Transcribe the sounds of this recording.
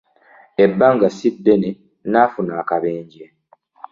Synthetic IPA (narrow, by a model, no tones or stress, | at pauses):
ebːaŋɡasidːene | naːfunaːkaβeːɲɟe